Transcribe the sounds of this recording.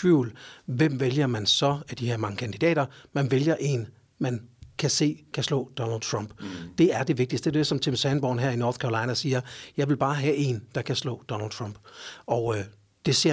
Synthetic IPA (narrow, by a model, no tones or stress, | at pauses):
ʋuʊlʋem̰ʋeljɐmænsɒ̽æɐd̥iheɐ̰mɑ̈ŋəkʰænd̥id̥ɛ̰ːɾ̥ɐmænʋeljɐʔe̝ːn | mænkʰæse̝̰ːkʰæslɔ̰̽ːd̥ɒ̽nəld̥̚t͡sʰʁɑ̈mb̥d̥e̝æɐd̥e̝ʋe̝ɡ̥̚d̥isd̥edsɒ̽mt͡sʰemsænb̥ɒ̰nɦæɐ̰inɒːθkʰæʁlɑ̈ɪnæsiːɐjɑ̈ɪʋe̝lb̥ɑ̈ːɦæʔe̝nd̥ɑ̈kʰæslɔ̰̽ːd̥ɒ̽nəld̥̚t͡sʰʁɑm̰b̥ɒʊ | d̥e̝se̝ɐ̰